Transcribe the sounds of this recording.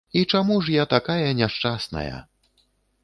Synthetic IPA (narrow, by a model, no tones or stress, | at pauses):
it͡ʂamuʐjat̪akajɐnʲɛʂt͡ʂasnɐ̰jɐ̰